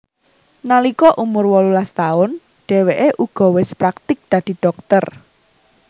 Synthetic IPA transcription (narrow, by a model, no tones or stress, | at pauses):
nalikɔʔumʊrwɔlulast̪aʊn | ɖ̥e̤weʔeʔuɡ̥ɔ̤wɪspɾak̚t̪ɪk̚d̪̥ä̤d̪̥i̤ɖ̥ɔk̚t̪ər